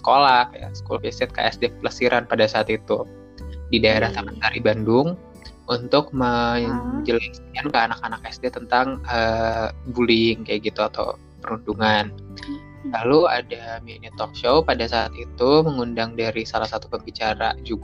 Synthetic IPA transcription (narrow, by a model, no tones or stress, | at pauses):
sə̥kolahja̰sə̥kulfisɛt̪̚ka̰ɛ̰sdepəlasiɾʔanpadasaːt̪it̪u | didaeɾaht̪əmant̪aɾibandʊŋ | unt̪ʊk̚məŋd͡ʒəlɛskankəanakanakɛsdet̪ənt̪aŋəbulɪŋkajaɡit̪uat̪a̰w | pəɾunduŋan | laluadaminit̪ɔkʃowpadasa̰ːt̪it̪uməŋundaŋdaɾisalahsat̪upəmbit͡ʃaɾa̰d͡ʒuɡ